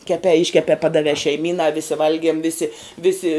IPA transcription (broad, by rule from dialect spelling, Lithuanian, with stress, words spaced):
kʲɛˈpʲɛː ˈɪʃʲkʲɛpʲɛː ˈpɑːdɐʋʲɛː ʃʲɛɪˈmʲiːnɑː ʋʲɪsʲɪ ˈʋɐlʲɡʲiɛm ˈʋʲɪsʲɪ ˈʋʲɪsʲɪ